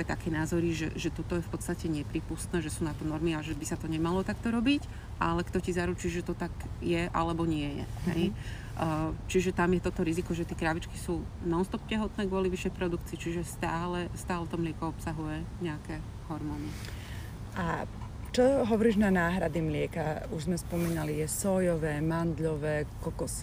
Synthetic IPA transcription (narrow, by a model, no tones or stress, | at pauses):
ɛjt̪akɛːnaːzɔɾiʒɛ̰ʒɛt̪ɔt̪ɔjɛfpɔt̪st̪acɛɲɛpɾiːpust̪nɛːʒɛsuːnat̪ɔnɔɾmiaʒɛbisat̪ɔɲɛmalɔt̪akt̪ɔɾɔbic | ʔalɛkt̪ɔcizaɾut͡ʃiːʒɛt̪ɔt̪aɡjɛʔa̰lɛbɔɲɪɛjɛ̰ɦɛ̰j | t͡ʃiʒɛt̪amjɛt̪ɔt̪ɔɾizikɔʒɛt̪ɛkɾaʋit͡ʃkisuːnaɔst̪ɔp̚cɛɦɔt̪nɛːɡʋʊɔliʋiʃjɛjpɾɔd̪ukt͡siːt͡ʃiʒɛst̪aːlɛst̪aːlɛt̪ɔmlɪɛkɔɔpsaɦujɛɲɛakɛː | ɦɔɾmɔːni | ʔa | t͡ʃɔɦɔʋɔɾiːʒnanaːɦɾad̪imlɪɛkauʒzmɛspɔmiːnalijɛsɔjɔʋɛːmand̪ʎɔʋɛːkɔkɔsi̥